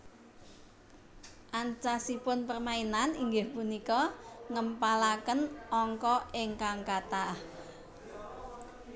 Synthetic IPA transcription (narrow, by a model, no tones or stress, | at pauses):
ʔant͡ʃasipʊnpərmainaniŋɡɪhpunikɔŋəmpalakənʔɔŋkɔɪŋkaŋkat̪a